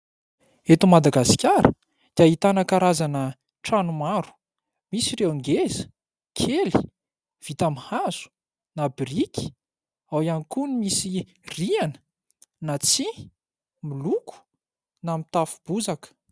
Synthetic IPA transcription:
et̪umad̪aɡasi̥kʲaɾə | d̪̥jait̪anəkaɾazanə | ʈ͡ʂanumaɾu̥ | misiɾewaŋɡezə̥ | kʰeli̥ | v̥it̪amhaz̥u̥ | nabrikʲi̥ | awjanikunimisi | rianə̥ | nat͡si | milukʰu̥ | namit̪afu̥b̥uzakə̥

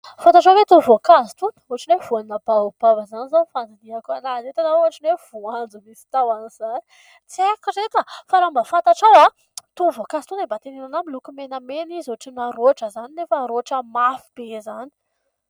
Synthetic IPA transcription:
fant̪aʈ͡ʂawvet̪uvokazi̥t̪unə̥uaʈ͡ʂinevuaninabaub̥avəzanizanfand̪id̪iakanazet̪anauɦaʈ͡ʂinev̥uand͡zumisi̥t̪awaniz̥ani̥ | t͡siekuɾet̪afaɾambafant̪aʈ͡ʂawa | t̪uvokazi̥t̪unembat̪enenanamilukumenəmenizuʈ͡ʂinaɾoʈ͡ʂəzaninefəɾoʈ͡ʂəmafib̥ezani̥

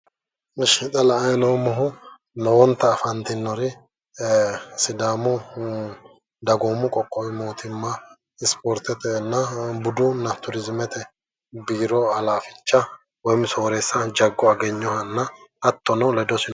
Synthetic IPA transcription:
ɪʃɪt̪ʼɐlɐɐjloːmɔɦʊ | nɔwɔnt̪ːɐːfɐnt̪ɪnːɔɾɪ | sɪd̪aːmʊ | d̪ɐɡomːʊkʼɔkʼːɔwɪmoːt̪ʰɪmːa | ɪspɔːɾt̪ɛt̪ɛnːɐbʊd̪ʊnːɐt̪ʊɾɪzmɛt̪ɛ | biːɾɔɐlaːfɪ̥t͡ʃːɐ | wɔmɪsoːɾɛsːɐd͡ʒɐɡːɔɐɡɛɲːɔhɐnːɐːt̪ːɔnɔlɛd̪ɔsɪ

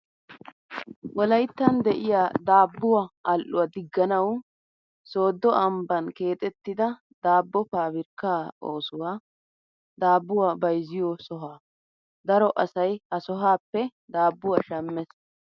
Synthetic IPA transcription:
wɔlɐjt̪ːɐnd̪ɛʔɪjaːd̪aːbːʊwaɐlʔːʊ̰wɐd̪ɪɡːɐnɐw | so̞ːd̪ːɔʔɐmbɐnke̞ːt̪ʼɛt̪ːɪd̪ɐ | d̪aːbːɔpaːbɪɾkːaːoːsʊwaː | d̪aːbːʊwaːbɐjzɪjɔsɔɦaː | d̪ɐɾɔʔɐsɐjhɐsɔɦaːpːɛd̪aːbːʊwaːʃɐmːɛs

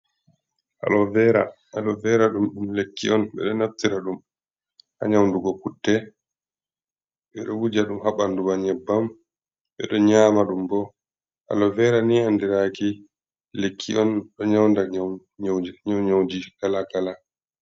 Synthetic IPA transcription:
ʔa̰lɔvɛɾa̰ | aɗɔvɛɾaɗumɗumlekːiɔnɓɛ̰ɗɔnaf̚tiɾaɗum | ʔa̰ɲawnduɡɔkutːɛ | ɓɛɗɔwud͡ʒaɗumhaɓandumaɲɛbːam | ɓɛ̰ɗɔɲaːmaɗumbɔ | ʔa̰lɔvɛɾaniandiɾaki | lekʰːiɔnɗɔɲawnda | ɲd͡ʒiɲɔwɲowd͡ʒikalakala

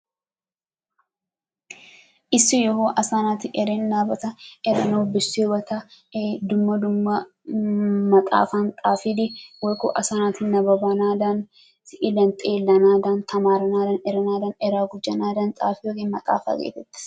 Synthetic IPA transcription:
ʔɪsːɪjɔɦoːʔɐsaːnaːt̪ɪʔɛɾɛnnaːbɐt̪ɐɛɾɐnoːbɪsːewɐt̪ɐ | d̪ʊmːɐd̪ʊmːɐ | mɐt̪ʼa̰ːfant̪ʼaːfɪd̪ɪwɐkʊʔɐsaːnaːt̪ɪnɐbɐbaːnaːd̪ɐn | sɪʔɪlɐnt̪ʼeːlːɐnaːd̪ɐnt̪ʰɐmaːɾɐnaːd̪ɐnɛɾɐnaːd̪ɐnɛɾaːɡʊd͡ʒːɐnaːd̪ɐnt̪ʼaːfɪjokeːnmɐt̪ʼa̰ːfa̰ɡḛːt̪ːɛt̪ːɪ̥

